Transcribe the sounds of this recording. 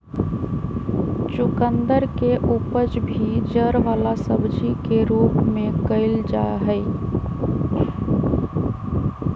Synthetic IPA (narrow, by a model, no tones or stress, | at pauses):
t͡ʃʊkənd̪əɾkeʔupəd͡ʒbʱid͡ʒəɾʋaːlasəbd͡ʒikeɾuːpmẽkəɪld͡ʒa̰ɦəɪ